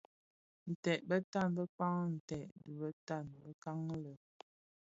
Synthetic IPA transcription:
n̩˨tɛ˨ʔbə˦ta˦˨nbə˦k͡pa˦ŋn̩˨tɛ˨ʔdə˨bə˦ta˦˨nbə˦ka˦ŋlə˨

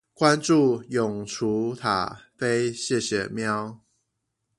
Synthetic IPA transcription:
kwa˦nʈ͡ʂu˥˨jʊ˨˩ŋʈ͡ʂʰu˨˦t̪ʰa̰˨˩fe˦ɪɕjɛ˥˨ɕjɛ̰˨˩mjɑ˦ʊ

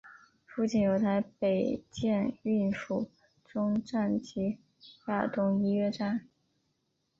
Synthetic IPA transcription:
fu˥˧t͡ɕʰi˥njo˧˩ʊt̪ʰa˧˥ɪpe˨˩ɪt͡ɕjɛ˥˧ny˥˩nʂu˨˩ | ʈ͡ʂʊ˥ŋʈ͡ʂa˥˩nt͡ɕi˧˥ | ja˥˩t̪ʊ˥ŋi˧˥ɥɛ˥ʈ͡ʂa˥n

